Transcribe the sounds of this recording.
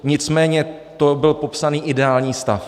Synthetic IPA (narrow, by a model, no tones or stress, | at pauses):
ɲɪt͡smɛːɲɛ | t̪o̞bɪlpo̞psaniːʔɪdɛaːlɲiːst̪a̰f